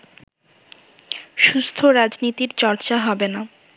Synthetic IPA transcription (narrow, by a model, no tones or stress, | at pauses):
ʃust̪ʰoɾad͡ʑnit̪iɾt͡ɕɔɾt͡ɕaɦɔbena